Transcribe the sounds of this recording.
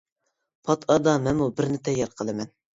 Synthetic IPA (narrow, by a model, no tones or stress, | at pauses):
pʰɑt̪ʰɑd̪ɑmɛnmubɪɾnɪt̪ʰɛjːɑɾqʰəlˠɨmɛn